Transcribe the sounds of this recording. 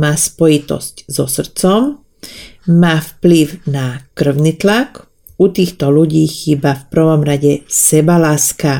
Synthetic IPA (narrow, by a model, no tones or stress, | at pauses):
maːspɔjit̪ɔ̰sczɔsr̩t͡sɔm | maːfpliʊnakr̩ʊnit̪lak | ut̪iːxt̪ɔluɟiːxiːbafpr̩ʋɔmɾaɟɛsɛbalaːska